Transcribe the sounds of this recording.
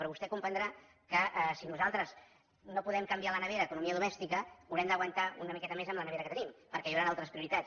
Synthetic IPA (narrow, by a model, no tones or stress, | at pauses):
pɾɔβust̪ɛkumpɾənd̪ɾa | kəʔɛsinuzalˠt̪ɾəz | nopuðɛmkəmbialənəβeɾəːkunumiəðumɛst̪ikəuwɾɛmd̪əɣwənt̪aunəmikɛt̪əmezəmlənəβeɾəkət̪ənimpəɾkɛjiwɾanalˠt̪ɾəspɾiuɾit̪at͡s